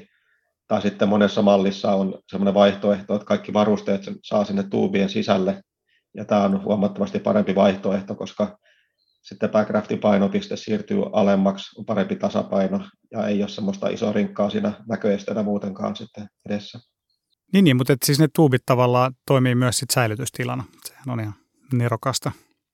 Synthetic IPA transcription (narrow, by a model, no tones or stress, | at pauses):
t̪ɑːsit̪ːemonesːɑmɑlːisːɑonsemːoneʋɑiht̪oeht̪oet̪kɑikːiʋɑrust̪eːt̪sesɑːsinːet̪t̪ṵːbiensisælːe | jɑ̰t̪æːonhṵɑmɑt̪ːomɑst̪ippɑ̰ɾempiʋɑiht̪oeht̪okoskɑ | sit̪ːepækræft̪ipɑinopist̪essiːrt̪y̰ːʔɑlemːɑksompɑɾempit̪ɑsɑ̰pɑinojɑ̰eiossemːost̪ɑ̰ʔḭso̰riŋkːɑːsḭːnænækøest̪æenæmuːt̪eŋkɑ̰ːnsit̪ːeedesːæ | niːnːiːmut̪et̪siːsnet̪uːbit̪t̪ɑʋɑlːɑːt̪oimiːmyæssit̪sæilyt̪yst̪ilɑnɑse̥hænonihɑn | nerokɑst̪ɑ